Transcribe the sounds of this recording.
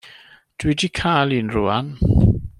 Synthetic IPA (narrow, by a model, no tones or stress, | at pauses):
d̥widikʰalˠinruːan